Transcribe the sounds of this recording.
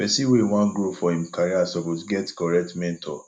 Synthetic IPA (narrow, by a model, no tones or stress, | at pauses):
b̥ɛsiwew̃ãnɡɾofɔhĩm̩kʰaɾiasɔposɡɛtkɔɹɛk̚tmɛ̃ntʰɔ̰